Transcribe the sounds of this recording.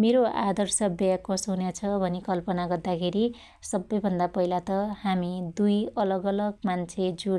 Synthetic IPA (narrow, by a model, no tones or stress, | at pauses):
meɾoʔa̰d̪ʌrsʌbjakʌsoɦunjat͡sʰʌbʱʌnikʌlpʌnaɡʌrd̪akʰeɾi | sʌbːʌjbʱʌnd̪apʌɦilat̪ʌhamid̪ujʌlʌɡʌlʌɡ̚mant͡sʰed͡zu